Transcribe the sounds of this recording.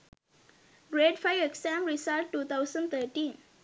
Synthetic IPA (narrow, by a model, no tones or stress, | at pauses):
ɾeɖfajeksɛ̃mɾisalʈːuːt̪ʰawsə̃nt̪ʰəʈĩn